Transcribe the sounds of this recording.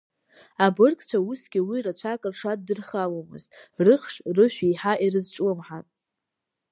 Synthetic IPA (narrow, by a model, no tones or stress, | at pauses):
abɨrkʰʼt͡ʃʷʰausɡʲiwirat͡ʃʷʰakʼɨrʂaddɨrχalomɨ̰ztʼrɨχʂrɨʃʷᶣijħaʔirɨzʈ͡ʂʼwɨmħatʼ